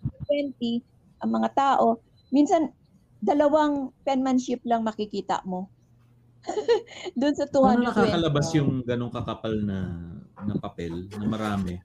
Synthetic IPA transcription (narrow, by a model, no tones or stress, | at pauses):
ɐpɛnt̪i | ʔɐŋmɐŋat̪aːʔo̞ | minsɐn | d̪ɐlɐwaŋpɛnmɐnʃɪp̚lɐŋmɐkɪkiːt̪ɐ̰ʔmo̞ | d̪ʊnsɐt̪ʊhanɐnɐkaːkɐlɐbasjʊŋɡɐno̞ŋkɐkapɐlnɐnɐpɐpɛlnɐmɐɾaːmɛ